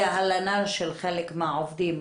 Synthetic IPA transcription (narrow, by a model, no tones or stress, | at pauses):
aɦalanaʃelχelekmaʕovd̪im